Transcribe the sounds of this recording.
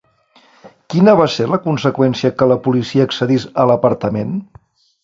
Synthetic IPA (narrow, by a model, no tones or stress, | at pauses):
kinəβ̞aseləkunsəkwɛnsiəkələpulisiəːksəðisələpəɾt̪əmen